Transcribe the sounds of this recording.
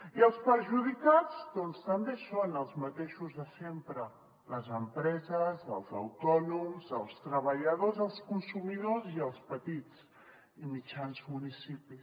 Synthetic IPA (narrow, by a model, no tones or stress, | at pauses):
iəlˠspəɾʒuðikad͡zd̪ɔnst̪əmbesonəlˠzmət̪eʃuzðəsempɾə | ləzəmpɾɛzəzəlˠzə̰wt̪ɔnumzəlˠst̪ɾəβəʎəðozəlˠskunsumiðoziəlˠspət̪it͡s | imit͡ʃanzmunisipi